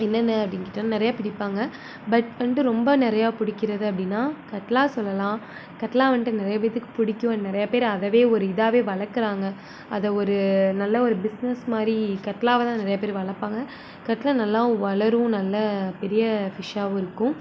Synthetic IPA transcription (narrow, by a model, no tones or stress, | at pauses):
ɛnːɐnːɯɐpːɐɽɪŋkɪʈːɐnanɪɾɐjaːpɪɽɪpːaːŋɡɐ | bɐʈʋɐɳɖɯɾɔmbɐnɪɾɐjaːpʊɽɪkːɪɾɐðɯɐpːɐɽɪnːaːkɐʈːɐlaːsɔlːɐlãː | kɐʈːɐlaːʋɐɳʈɯnɪɾɐjɐʋɐɪt̪ːɯkːɯ̥pʊɽɪkʲːʊ̃nɪɾɐjɐpeːɾɐðɐʋeːɔɾɯɪðaːʋeːʋɐɭɐɾkːɯɾaːŋɡɐ | ɐðɐɔɾɯnɐlːɐɔɾɯbɪsnɛsmaːd̪ɾikɐʈːɐlaːʋɐt̪ãːnɪɾɐjɐːpeːɾʋɐɭɐpːaːŋɡɐ | kɐʈːlɐnɐlːãːʋɐɭɐɾʊ̃nɐlːɐpɛɾɪjɐfɪʂaːʋ̃ɪɾɯkːʊ̃